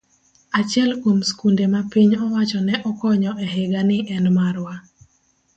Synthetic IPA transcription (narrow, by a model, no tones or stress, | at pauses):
at͡ʃjɛlkwomskundemapiɲɔwat͡ʃɔnɛʔɔkɔɲɔʔɛɦɪɡanɪʔɛnmaɾwa